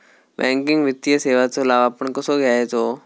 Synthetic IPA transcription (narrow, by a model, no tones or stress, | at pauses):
bɛ̃ːŋkɪ̃ŋɡʋɪt̪ijəseːʋat̪olaːʋapəɳkʊsoɡjaːɦet̪oː